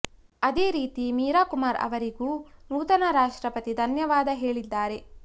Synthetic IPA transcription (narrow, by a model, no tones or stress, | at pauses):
ɐd̪eːɾiːt̪imiːɾaːkumaːɾɐ̰ʋɐɾiɡuːnuːt̪ɐnɐɾaːʂʈɾɐpɐt̪id̪ʱɐnjɐʋaːd̪ɐɦe̞ːɭid̪ːaːɾe̞